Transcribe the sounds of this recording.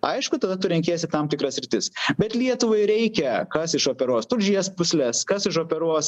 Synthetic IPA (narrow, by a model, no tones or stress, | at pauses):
ɐɪʃkʊt̪ɐd̪ɐt̪ʊɾʲɛŋʲkʲeːɛsʲɪt̪ɐmt̪ʲɪkɾɐsʲɾʲɪt̪ʲɪsbʲɛt̪lʲiɛt̪ʊʋɐɪɾʲɛɪkʲɛkɐsɪʃoːpʲɛɾuɔst̪ʊlʲʒʲiɛspʊsʲlʲɛskɐsɪʃoːpʲɛɾuɔs